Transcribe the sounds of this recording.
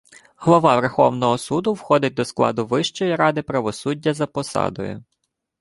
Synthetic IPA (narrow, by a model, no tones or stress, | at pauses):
ɦlˠɔʋɑʋɛrxɔ̰wnɔɦɔsud̪ʊwxɔd̪ɪt̚ʲd̪ɔsklˠɑ̰d̪ʊʋɪʃt͡ʃɔjiɾɑd̪ɪpɾɐʋɔsudʲːɐzɐpɔsɑ̰d̪ɔ̰jʊ̰